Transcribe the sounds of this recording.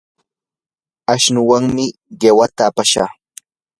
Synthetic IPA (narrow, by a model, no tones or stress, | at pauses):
aʃnʊwaŋmɪɢewat̪aːpaʃa̰χ